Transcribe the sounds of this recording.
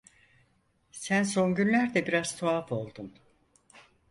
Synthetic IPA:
sænso̞nɟynlʲæɾd̪ɛbiɾazt̪ʰoapʰo̞lˠd̪un

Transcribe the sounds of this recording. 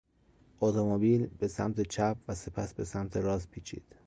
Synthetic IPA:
ʔot̪ʰomobiːlbe̞sæmt̪ʰet͡ʃʰæp̚væse̞pʰæsbe̞sæmt̪ʰeɾɒːzpʰiːt͡ʃʰḭːd̪̥

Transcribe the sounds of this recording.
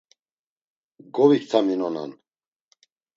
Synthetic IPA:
ɡɔvikt̪ʰaminɔna̰n

